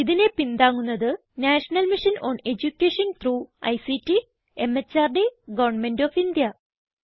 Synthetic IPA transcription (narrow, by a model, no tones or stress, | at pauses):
iðine̞pind̪aːŋːunːɐðɨ | naːʂɐnɐlmiʂɐnoːne̞d͡ʑukʲːeːʂɐnt̪ʰruːɐ̰jsitːi | emet͡ɕːaːrɖeɡɐʋɐɳmendoːfind̪jɐ